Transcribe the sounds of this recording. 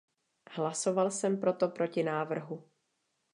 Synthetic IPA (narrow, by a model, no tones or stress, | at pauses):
hlaso̞valsɛmpɾo̞t̪o̞pɾo̞cɪnaːvr̩ɦu